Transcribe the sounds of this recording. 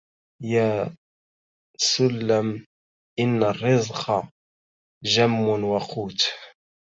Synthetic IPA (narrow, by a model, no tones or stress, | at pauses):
jaː | sʊlːam | ʔɪnːarːɪzqʰɑ | ʒamːʊnwaqʰuːt̪